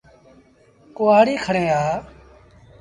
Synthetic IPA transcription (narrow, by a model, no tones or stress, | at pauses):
kʊaːɽiːkʰəɳẽːaː